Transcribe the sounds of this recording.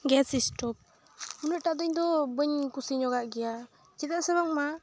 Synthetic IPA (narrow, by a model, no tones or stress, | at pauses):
ɡɛsisʈɔp̚ | unəʔ̚ʈaʔd̪əɲd̪ɔbəɲkusiɲɔɡaʔɡɛja | t͡ʃɛt̪aʔsɛβaŋma